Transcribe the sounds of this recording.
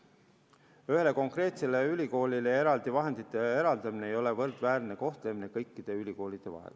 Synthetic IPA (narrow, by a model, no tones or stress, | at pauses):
yhe̞le̞ko̞ŋkre̞ːt̪se̞le̞ylʲiko̞ːlile̞e̞ɾɑld̪̥ivɑɦe̞nd̪̥it̪ːˑe̞e̞ɾɑld̪ɑmineːjo̞le̞vɤrd̪̥væːrne̞ko̞ht̪le̞mine̞kɤjkːˑid̪̥e̞ylʲiko̞ːlid̪̥e̞vɑ̰ɦḛl